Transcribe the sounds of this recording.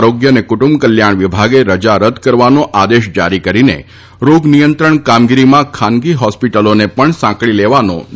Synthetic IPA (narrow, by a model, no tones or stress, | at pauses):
ɾoɡjənekʊʈumbkəljaɳ̃ʋibʱaɡeɾəd͡ʒaɾəd̪ʱkəɾʋanoʔad̪eʃd͡ʒaɾikəɾinḛ | ɾoɡnijənt̪ɾəɳkamɡiɾimãkʰanɡiɦɔspiʈəlonepəɳsãkɭileʋano̰